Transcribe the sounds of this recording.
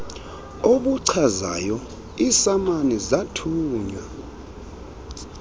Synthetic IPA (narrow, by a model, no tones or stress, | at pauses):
oɓuǀʰaza̰jɔ | isamanɛzatʰuːɲa